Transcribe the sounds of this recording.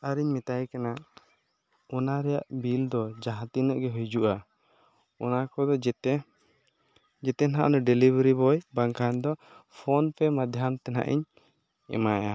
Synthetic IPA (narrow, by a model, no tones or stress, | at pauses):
aɾiɲmit̪ajkana | ɔnaɾɛja̰ʔbild̪ɔd͡ʒaɦãt̪inɔʔɡɛɦujd͡ʒuʔa | ɔnakɔd̪ɔ | d͡ʒɛt̪ɛna̰ʔnɔɖɛlibɾibɔjbaŋkʰand̪ɔ | pʰɔnpɛmad̪ʱjamt̪ɛna̰ʔḭɲ | ɛ̰maja